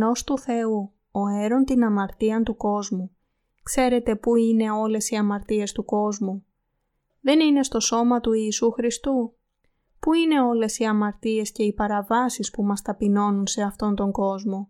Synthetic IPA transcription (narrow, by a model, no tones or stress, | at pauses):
no̞st̪uθe̞u | o̞e̞ɾo̞nt̪inɐmɐɾt̪iɐnt̪uko̞zmu | kse̞ɾe̞t̪e̞puine̞o̞le̞siɐmɐɾt̪ie̞st̪uko̞zmu | ðe̞nine̞st̪o̞so̞mɐt̪uiːsuxɾist̪u | puine̞o̞le̞siɐmɐɾt̪ie̞sce̞ipɐɾɐvɐsispumɐst̪ɐpino̞nunse̞ɐft̪o̞nt̪o̞ŋɡo̞zmo̞